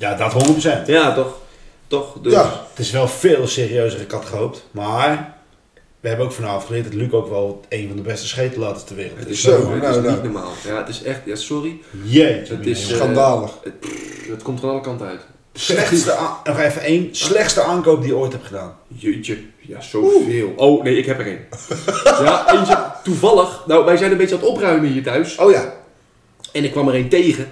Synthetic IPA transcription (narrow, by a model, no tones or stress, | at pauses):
jadɔtɦondərprəsɛntjatɔxtɔxddətɪsʋɛlˠfeːlˠseːriøɥsərəɪkhatχəoːptmar | ʋəɦɛbənowkfɔnaːəfχəlɪətdɔtlykowkʋɛlˠejnvɔndəbɛstəsχeːtəlaːtəstərʋɪːrəttɪsoitnɔma̰ːlˠjaətɪsɛxtasɔrijeəɪkandaːlˠə | ətkomtəfanɑlˠəkɑntœ̰ɥt | slɛnɔxɛfəejnslɛxtstəaːnkoːp̚dijəkojthɛpχədaːnjətəjasowveːlˠownejɪkhɛpərḛn | jaent͡ʃətuvɑlˠəxnawʋɛjzɛjnənbet͡ʃəɔtoprœɥməiətœɥsoja | ɛnɪkːʋaməɾejntejɣə